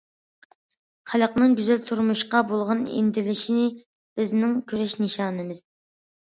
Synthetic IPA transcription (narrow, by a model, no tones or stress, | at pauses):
χælˠəqnɨŋɡʲyzɛlt̪ʰuɾmuʃqɑbolˠʁɑnḭnd̪ɪlɪʃinɪ | b̥ɪznɪŋkʲʰøɾɛʃnɨʃɑːnɨmɪz̥